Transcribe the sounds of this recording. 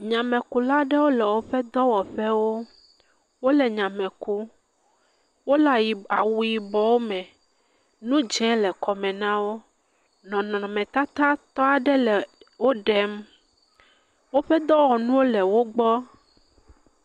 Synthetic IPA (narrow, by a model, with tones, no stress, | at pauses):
ɲã˨mɛ̃˨ku˨la˦ɖɛ˦wo˦lɛ˨wo˦ɸɛ˦d̪ɔ˦wɔ˨ɸɛ˦wo˦ | wo˦lɛ˨ɲã˨mɛ̃˨ku˦ | wo˦la˨ji˨a˨wu˨ji˨bɔ˨wo˦mɛ̃˨ | nũ˦d͡ʒɛ̃˦lɛ˨kɔ˨mɛ̃˨nã˦wo˦ | nɔ̃˨nɔ̃˨ɔ̃˨mɛ̃˨t̪a˦t̪a˦t̪ɔ˦a˨ɖɛ˦lɛ˨wo˦ɖɛ˨m | wo˦ɸɛ˦d̪ɔ˦wɔ˨nũ˦wo˦lɛ˨wo˦ɡ͡bɔ˦